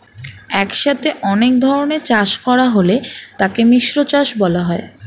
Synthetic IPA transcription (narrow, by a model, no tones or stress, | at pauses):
ɛkʃat̪ʰeʔɔnek̚d̪ʱɔɾoneɾt͡ɕaʃkɔɾaɦolet̪akemiʃɾot͡ɕaʃbɔlaɦɔe